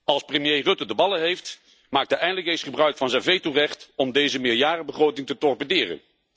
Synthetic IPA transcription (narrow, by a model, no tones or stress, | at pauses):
ɑlˠsprəmjejrɵtədəbɑlˠəɦejft | maːk̚dəʔɛjndələkejsχəbrœɥkfɑnzɛnvejturɛχtɔmdejzəmɪːɹjaːɾəbəχrowtɪŋtətɔɹpədɪːrə̰n